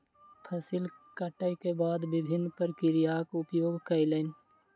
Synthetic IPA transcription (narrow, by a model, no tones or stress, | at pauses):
pʰɐsilkɐʈəjkebaːd̪bɪbʱɪnːpəɾkɪɾijaːkʊpjoːɡkɐilən